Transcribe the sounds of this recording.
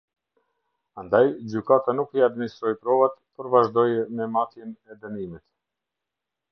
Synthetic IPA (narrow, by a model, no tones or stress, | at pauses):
and̪ajd͡ʑykat̪anukiad̪minist̪ɾɔjpɾɔvat̪pəɾvaʒd̪ɔjɛmɛmat̪jɛnɛd̪ənimit̪